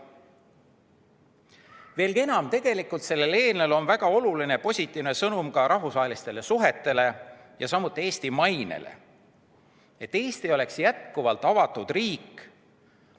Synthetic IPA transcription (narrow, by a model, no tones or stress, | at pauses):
ve̞ːlɡie̞nɑmt̪e̞ɡ̥e̞likˑult̪se̞lːe̞le̞ːnelo̞nvæɡ̥ɑo̞luline̞po̞sʲit̪ːˑiːvnesɤnumkɑɾʔɑɦvusvɑːɦelist̪e̞le̞suɦe̞t̪ːˑe̞le̞ | jɑsɑmːut̪ːˑieːst̪imɑjnḛlḛ | e̞t̪ːe̞ːst̪ijo̞le̞ksjæt̪kuvɑlt̪ːˑɑvɑt̪ːˑud̪̥riːk